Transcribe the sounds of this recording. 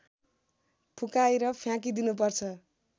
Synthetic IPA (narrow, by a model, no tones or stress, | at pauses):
pʰukajɾʌpʰjãk̬id̪inup̬ʌrt͡sʰʌ